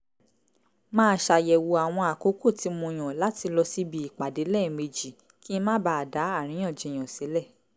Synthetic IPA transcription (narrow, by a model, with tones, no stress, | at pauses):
mãː˦ʃa˧jɛ˨wo˧a˨w̃ɔ̃˧a˨ko˨˦ko˦˨ti˧mũ˧˨j̃ɔ̃˨la˦ti˧lɔ˧si˦bi˧i˨k͡pa˨de˨˦lɛ˦˨me˧d͡ʒi˨ | ki˦mã˦ba˧˦a˨da˨˦a˦˨ɾ̃ĩ˨˦ɔ̃˦˨d͡ʒɛ˨j̃ã˨si˨˦lɛ˦˨